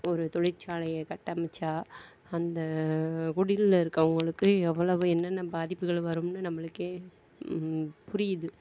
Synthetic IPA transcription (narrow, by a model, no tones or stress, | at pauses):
ɔɾɯt̪ɔɻɪɾt͡ʃːaːlɐjɐkɐʈːɐmɐt͡ʃːaː | ɐnd̪ɐkʊɽɪllɪɾɯkːɐʊŋɡɐɭɯkːɯɛʋːɐɭɐʋɯ̃ɛnːɐnːɐbaːðɪpːɯɣɐɭʋɐɾɯmnɯnɐmːɐɭɯkːeː | pʊɾɪjɐðɯ